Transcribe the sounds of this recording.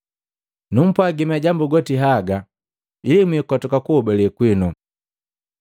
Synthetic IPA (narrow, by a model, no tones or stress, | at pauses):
num̩pwaɡimaɟambuɡɔtiɦaɡa | ilimwiːkɔtɔkakuɔbɛlɛkwinu